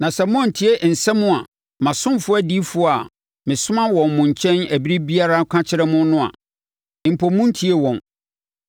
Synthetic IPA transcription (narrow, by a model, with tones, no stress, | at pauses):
nã˨sɛ˨mɔ̃˦n̩˨tʰi˦e˦n̩˨sɛ˦mʊ̃˦a˨ | mã˨sʊ̃˦mfʊ˦æ˦di˦fʊ˨˦a˨ | mɪ̃˨sʊ̃˦mã˦wɔ̃˨mːʊ̃˨ɲ˨t͡ɕʰɛ̃˦næ˨bi˦ɾi˦bi˦a˦ɾa˦kʷʰã˦t͡ɕʰɪ˦ɾɛ˦mʊ̃˦nʊ̃˦a̰˨ | m̩˨pʰo˨mːʊ̃˦n̩˦tʰi˦e˦wɔ̃˨n